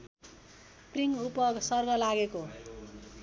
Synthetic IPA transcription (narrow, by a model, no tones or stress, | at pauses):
priŋupʌsʌrɡʌlaɡeko